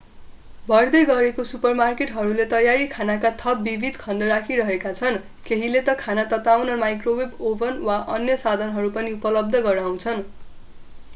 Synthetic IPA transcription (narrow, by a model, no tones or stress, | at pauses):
bʱʌrd̪ʌjɡʌɾekosupʌrmarkeʈɦʌɾulet̪ʌjaɾikʰanakat̪ʰʌpbibʱid̪ʱkʰʌnd̪ʌɾakʰiɾʌɦekat͡sʰʌn | keɦilet̪ʌkʰanat̪ʌt̪awnʌmajkrowebobʌnwaʔʌnjʌsad̪ʱʌnɦʌɾupʌniupʌlʌb̚d̪ʱʌɡʌɾaw̃t͡sʰʌn